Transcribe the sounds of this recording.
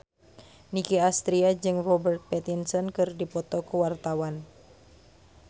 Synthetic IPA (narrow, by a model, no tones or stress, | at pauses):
nikiast̪ɾiad͡ʒɨŋrɔbərt̪̚pɛt̪insɔnkɨrdipɔt̪ɔkuwart̪awan